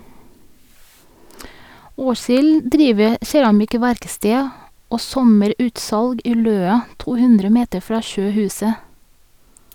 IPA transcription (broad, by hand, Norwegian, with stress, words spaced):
ˈoːsɪl ˈdɾiːʋə ˈʃɛɹɑmɪˌkʋæɾkstɛ ˈoː ˈsɔməˌɾʉːtsɑlɡ ˈiː ˈløːɑ ˈtuː ˈhʉndɾə ˈmeːtə ˈfɹɑː ˈʃøːˌhʉːsə